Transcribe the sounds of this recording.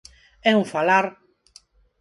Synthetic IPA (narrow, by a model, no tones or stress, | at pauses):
ɛuɱfalaɾ